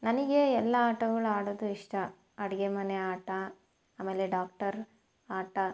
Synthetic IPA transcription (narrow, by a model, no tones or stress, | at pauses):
nɐnɐɡeɛlːɐaːʈɐɡɐɭuaːɽoːd̪uiʂʈɐ | ɐɽɐɡemɐneaːʈɐ | aːmeːleɖaːk̚ʈɐɾ | aːʈɐ